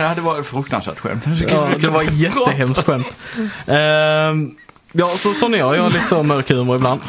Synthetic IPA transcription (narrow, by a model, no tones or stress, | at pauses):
had̪ːəvɑɾt̪fɾɵkt̪ansvæ̰ːʈ̪ɧɛ̰mt̪kɑːd̪ɛvaɾjɛt̪ːəɦɛmstt̪ɧɛmt̪ː | jɑːsɔsɔnːəjɑːjɑliːt̪əsomœɾkʰʉːməɾɪbland̪